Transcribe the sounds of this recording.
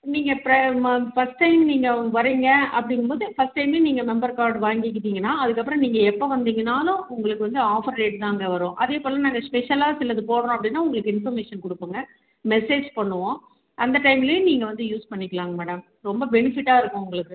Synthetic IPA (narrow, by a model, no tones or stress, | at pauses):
niːŋɡɐpɾɐfɐsʈːɐɪmniːŋɡɐʋɐɾiŋɡɐɐpːɐɽɪŋɡɯmpoːðɯfɐsʈːɐɪmeːniːŋɡɐmɛmbɐɾkaːɾɖʋaːŋɡɪk̬ːɯðiːŋɡɐnːaːɐðɯkːɐpːɯɾɐ̃niːŋɡɐɛpːoʋɐnd̪iːŋɡɐnaːlʊ̃ʊŋɡɐɭɯkːɯʋɐnd̪ɯaːfɐɾɾeːʈt̪ãːŋɡɐʋɐɾõːʔɐðeːpoːlɐnaːŋɡɐspɛʂɐlaːsɪlːɐðɯpoːɽɐɾõɐpːɐɽɪnːaːʊŋɡɐɭɯkːɯɪnfɔɾmeːʂɐnkʊɽɯpːɯŋɡɐ | mɛseːd͡ʒpɐɳːɯʋõː | ʔɐnd̪ɐʈɐɪmɪlɐjʊ̃niːŋɡɐʋɐnd̪ɯjuːspɐɳːɪkːɐlaːŋɡɐmɛːɽɐm | ɾɔmbɐbɛnɪfɪʈːaːɪɾɯkːʊ̃ʊŋɡɐɭɯkːɯ